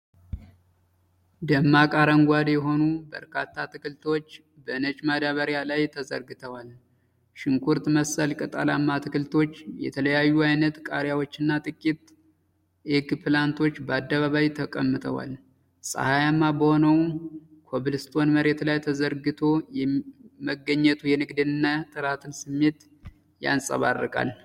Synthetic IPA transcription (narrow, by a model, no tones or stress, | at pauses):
d̪əmːakʼaɾəŋɡʷad̪jɛɦo̞nubə̰ɾkʰat̪ʰːat̪ʰɨkɨlt̪ʰo̞t͡ʃː | bəɨnət͡ʃʼmad̪aβəɾjalajt̪ʰəzə̰ɾɡɨt̪ʰəwal | ʃɪŋkʰuɾt̪məsəlkʼɨt̪ʼalamːat̪ʰɨkɨlt̪ʰo̞t͡ʃːjɛ̰t̪ʰələjajːuajnət̪kʼaɾjawot͡ʃːɨnːat̪ʼɨkʼːit̪ | ʔeɡpʰɨlant̪ʰo̞t͡ʃːbəad̪ːəβaβajt̪ʰəkʼəmːɨt̪ʰəwa̰l | sʼə̰hajamːabəho̞nəwkʰoβɨlɨst̪ʰʼo̞nməɾe̞t̪lajt̪ʰəzəɾɡɨt̪ʰo̞jɛməɡːəɲːɛt̪ʰujɛnɨɡd̪ɨnɨnːat̪ʼɨɾat̪ʰɨnsɨmːe̞t̪ | ja̰nsʼə̰βa̰rːɨkʼa̰l